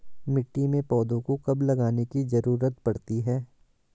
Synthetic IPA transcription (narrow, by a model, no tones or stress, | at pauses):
mɪʈːimẽpɔːd̪õkokɐblɐɡaːnekizɐɾuːɾət̪pɐɽt̪iɦɛː